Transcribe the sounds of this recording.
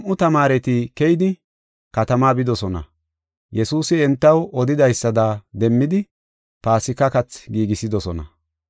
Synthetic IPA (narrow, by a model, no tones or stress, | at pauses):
mʔʊt̪ɐmaːɾɛt̪ikɛjɪd̪ɪ | kɐt̪ɐmaːbɪd̪ɔsɔnɐ̰ | jɛsuːsɪɛnt̪ːɐwɔd̪ɪd̪ɐjsːɐd̪aːd̪ɛmːɪd̪ɪ | paːsɪkɐkɐt͡sɡiːɡɪsɪd̪ɔsɔnɐ̰